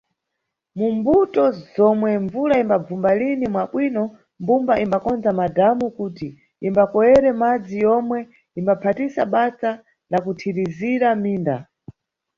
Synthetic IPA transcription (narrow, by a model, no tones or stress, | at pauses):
mumbutɔzɔmwɛɱvuɾaimbab͡vumbalinimwaɓwinɔ | mbumbaʔimbakɔnd͡zamadamukuːti | imbakɔjɛɾɛmad͡zijɔmwɛ | imbapʰatisaɓat͡sa | lakutʰiɾiziɾamiːnda